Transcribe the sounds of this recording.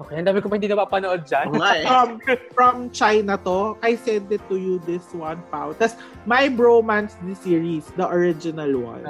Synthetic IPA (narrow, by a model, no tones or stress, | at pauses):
okejʔɐnd̪aːmɪkomɐhɪnd̪iːnɐbapɐnoʔod̪̚d͡ʒanfɐmfɹɐmt͡ʃajnɐt̪oʔajsɛ̃nd̪ɪt̪ːʊjud̪ɪswɐnpawt̪ɐs | mɐjbɹomãnsd̪ɪsiːɹisd̪ɐʔoɹɪd͡ʒɪnɐlwa̰n